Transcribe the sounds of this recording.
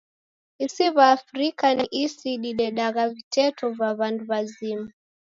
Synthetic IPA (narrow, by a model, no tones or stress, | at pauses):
isiβaːfɾikaniʔisiɗiɗɛɗaɣavitɛtʰɔvaβanduβazima